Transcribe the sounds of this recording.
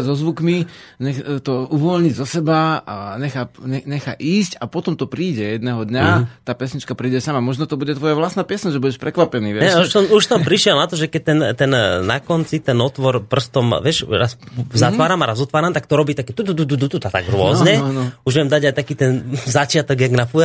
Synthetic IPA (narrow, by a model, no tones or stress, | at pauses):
zɔzʋukmiɲɛxt̪ɔuʋɔlɲizɔsɛbaaɲɛxaɲɛɲɛxaʔiːscapɔt̪ɔmt̪ɔpɾiːɟɛjɛd̪nɛːɦɔd̪ɲat̪aːpɛsɲit͡ʃkapɾiːɟɛsamamɔʒnɔt̪ɔbuɟɛt̪ʋɔjaʋlastnaːpɛsɲaʒɛbuɟɛʃpɾɛkʋapɛniːʋɛɛuʃsɔmuʃsɔmpɾiʃɪɛlˠnat̪ɔʒɛkɛc̚t̪ɛnt̪ɛnnakɔnt͡sit̪ɛnɔt̪ʋɔɾpr̩st̪ɔmʋɪɛʃɾa̰szat̪ʋaːɾamaɾazɔt̪ʋaːɾamt̪ak̚t̪ɔɾɔbiːt̪akɛt̪ud̪ud̪ud̪ud̪ut̪ut̪at̪a̰ɡɾʊɔzɲɛnuʒʋɛmd̪aɟajt̪akiːt̪ɛnzat͡ʃɪat̪ɔɡjaɡnafuɛ